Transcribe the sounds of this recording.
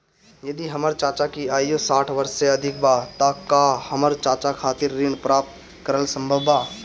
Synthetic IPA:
jɐd̪iɦɐməɾt͡ʃaːt͡ʃakiaːiosaːʈʰʋɐɾsseɐd̪ʱɪk̚baːt̪aːkaːhɐməɾt͡ʃaːt͡ʃakʰaːt̪ɪɾːɪɳpɾaːp̚t̪ | kəɾəlsə̃mbʱəʋbaː

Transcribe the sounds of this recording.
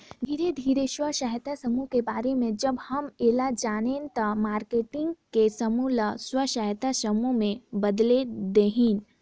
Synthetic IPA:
d̪ʱiːɾed̪ʱiːɾeʃwəʃəɦt̪asəmukebaːɾemẽd͡ʒɐbhɐmeːlad͡ʒaːneːnt̪ɐmaːɾkeːʈɪ̃ŋɡkesɐmulaswəʃəɦt̪asəmumẽbɐd̪led̪eːɦin

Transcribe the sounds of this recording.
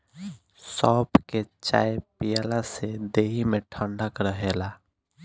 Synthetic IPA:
sɔpket͡ʃaepijalased̪eɦimeʈʰəɳɖakɾəɦela

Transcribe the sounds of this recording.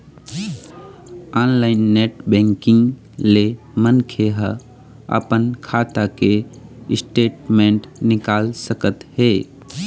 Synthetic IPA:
anlaɪnːeʈbɛ̃ŋkɪ̃ŋɡ | le | mənkʰeɦə | ə̰pənkʰat̪akeɪsʈeʈmẽɳʈnɪkaːlsəkət̪he

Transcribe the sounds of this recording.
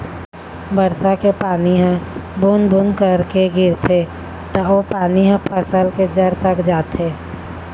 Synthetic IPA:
bəɾsakepaːniɦɛ̃bʱunbʱunkəɾkeɡɪɾt̪ʰe | t̪ɔopaːniɦɛ̃pʰəsəlked͡ʒəɾt̪əkd͡ʒaːt̪ʰeː

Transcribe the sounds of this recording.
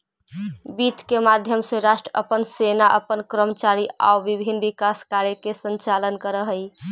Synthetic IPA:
bit̪kemad̪ʱjəmseɾaʃʈɾəə̰pənsenaʔəpənkɾəmət͡ʃaɾia̰ubibʱinbikaskaɾekesənt͡ʃalənkəɾəɦəj

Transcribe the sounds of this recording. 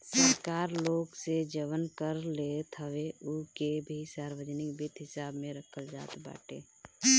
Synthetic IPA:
səɾkaːɾloːɡsed͡ʒəʋənkəɾlet̪ʰəʋeukebʱisaːɾwəd͡ʒnɪkbɪt̪ɦɪsaːbmẽɾəkʰəld͡ʒa̰ːt̪ba̰ːʈḛː

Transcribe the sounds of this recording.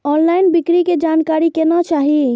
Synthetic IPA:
ɔnlainbikɾiked͡ʒankaɾikenɔt͡ʃaɦi

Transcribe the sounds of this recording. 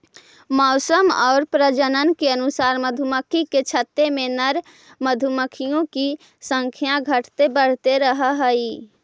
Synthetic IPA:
mɔʊsəmɔːɾpɾəd͡ʒənənkeənʊsaːɾməd̪ʱuməkʰiket͡ʃʰət̪ːemẽnəɾ | məd̪ʱuməkʰijõki | sə̃ŋkʰjãɡʱəʈʰt̪ebəɽ̤t̪eɾəɦɦəi

